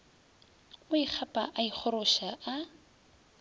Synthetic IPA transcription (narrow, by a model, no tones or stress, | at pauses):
ʊik͡xʰapʼa̰ʔaik͡xʰʊɾʊʃaʔa